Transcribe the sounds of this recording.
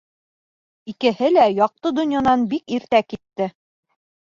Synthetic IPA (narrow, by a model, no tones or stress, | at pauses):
ikɘ̆hɘlæjɑq̚t̪ɤd̪ŏnjɑnɑnbikiɾt̪ækit̪ːɘ